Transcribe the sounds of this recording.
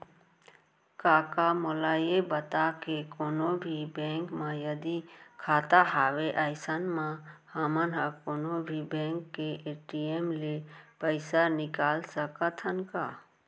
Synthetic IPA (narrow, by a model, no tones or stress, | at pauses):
kaːkamɔlaːjebət̪akekoːnõbʱibẽːŋkmãjəd̪ikʰaːt̪aɦaːʋeʔəjsənmãhəmənɦakoːnobʱibẽːŋkːeʔeːʈiemlepəɪsanɪkaːlsəkət̪ʰənkaː